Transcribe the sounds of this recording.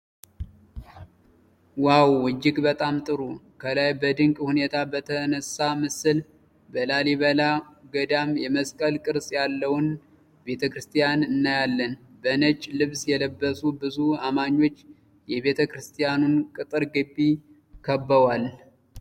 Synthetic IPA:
wawːɨd͡ʒːɪkbət̪ʼamt̪ʼɨɾu | kʰəlajbəd̪ɨŋkʼhune̞t̪ʰabət̪ʰənəsamɨsɨl | bəlaliβəlaɡəd̪amjɛməskʼəlkʼɨɾsʼjalːəwʊn | be̞t̪ʰəkɾɨst̪ʰʼijanɨnːajalːənbənət͡ʃʼːlɨβsjɛləbːəsubɨzuamaɲːo̞t͡ʃː | jɛβe̞t̪ʰəkɾɨst̪ʰʼijanunkʼɨt̪ʼɨɾɡɨbːi | kʰəbːəwal

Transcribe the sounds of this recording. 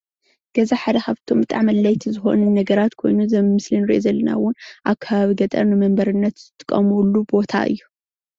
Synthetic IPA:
ɡ̥ɐzaħad̪ɐkaβt̪ʰo̞mbɨt̪ʼa̰ʕmɐlːajt̪ʰizɨxo̞̰nunːɐɡɐɾat̪kʰo̞jnuzɐmmɨslɨnɾḭʔozɐlːɐna̰wʊnʔaβkʰːaβaβiɡɐt̪ʼɐ̰ɾnɨmɐmbɐɾɨnːɐt̪zɨt̪ʰʼɨ̥kʼːɐ̰mulːubo̞t̪ʰa̰ʔɨ̰jːu

